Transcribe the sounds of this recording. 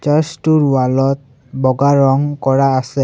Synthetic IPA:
t͡ʃastuɹwalɔt̚ | bɔɡaɹɔŋkɔɹaːsɛ

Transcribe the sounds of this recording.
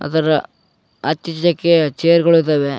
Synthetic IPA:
ɐ̰d̪ɐɾɐ | ɐt̪ːit͡ʃɐd̪ɐkːet͡ʃejɐɾɡɐɭut̪ɐːʋe

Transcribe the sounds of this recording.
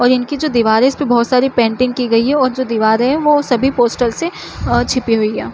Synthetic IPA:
ɔːɾɪnkid͡ʒoːd̪iʋaːɾẽɪspebɔɦːt̪saːɾipɛ̃ːɳʈɪ̃ŋɡkiɡɐiɦɛɔːɾd͡ʒoːd̪iːʋaːɾẽɦɛ̃ʋoːsɐbʱipoːsʈəlse | t͡ʃʰɪpiɦoiɛː

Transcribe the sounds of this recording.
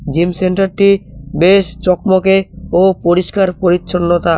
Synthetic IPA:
d͡ʑimseɳʈaɾʈibeʃt͡ɕɔkmokeopoɾiʃkaɾpoɾitːʃʰonːot̪a

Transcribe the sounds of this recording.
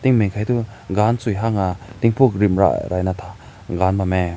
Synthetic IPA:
t̪iŋmeŋkʰajtu | ɡansujɦaŋat̪iŋpʰuk̚ɾimɾa̰ɾajnat̪ʰa | ɡanbame

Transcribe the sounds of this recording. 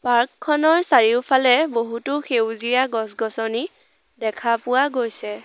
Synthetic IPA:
paɹkʰːɔnɔɹsaɹiʊpʰalɛboɦutʊxewzijaɡɔsɡɔsɔni | dɛkʰapʊwaɡojsɛ

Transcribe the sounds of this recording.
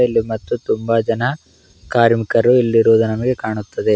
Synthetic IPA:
ilːimɐt̪ːut̪umbɐd͡ʒɐnɐ | kaːɾmikɐɾuilːiɾuʋud̪unɐmɐɡe̞kaːɳut̪ːɐd̪e̞

